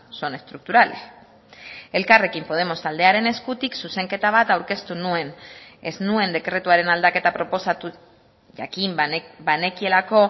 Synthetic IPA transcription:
so̞nest̪ɾuk̚t̪uɾal | e̞lkare̞kimpo̞ð̞e̞mo̞st̪ald̪e̞aɾe̞ne̞skut̪iksuse̞ŋke̞t̪aβ̞at̪awɾke̞st̪unue̞nḛznue̞nd̪e̞kɾe̞t̪uaɾe̞nald̪ake̞t̪apɾo̞po̞sat̪u | ʝa̰kimbane̞kie̞lako̞

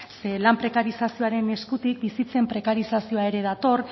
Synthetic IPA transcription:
selampɾe̞kaɾisasio̞aɾe̞ne̞skut̪ik̚bisit͡se̞mpɾe̞kaɾisasio̞ae̞ɾe̞ðat̪o̞r

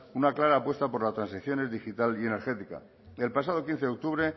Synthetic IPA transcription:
unaklaɾaːpwe̞st̪apo̞ɾlast̪ɾansiθjo̞ne̞zðixit̪alie̞ne̞ɾxe̞t̪ika̰ | e̞lpas̬að̞o̞kin̟θek̚t̪uβɾe̞

